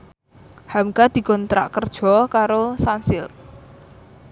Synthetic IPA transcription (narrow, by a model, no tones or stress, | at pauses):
hamɡad̪̥i̤kɔnt̪ɾa̰ʔkərd̥ʒ̥ɔ̤kaɾosansɪl